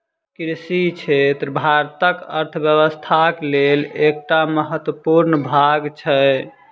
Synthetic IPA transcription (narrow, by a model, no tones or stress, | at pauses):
kɾisit͡ʃʰet̪ɾəbʱaɾt̪əkə̰ɾt̪ʰəbjəβəst̪ʰaklelek̚ʈaməɦət̪wəpuɾnəbʱaɡt͡ʃʰə